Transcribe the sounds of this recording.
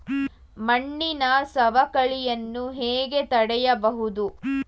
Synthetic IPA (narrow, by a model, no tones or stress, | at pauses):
mɐɳːinɐsɐʋɐkɐɭijɐnːuɦeːɡe̞t̪ɐɽɛjɐbɐɦud̪u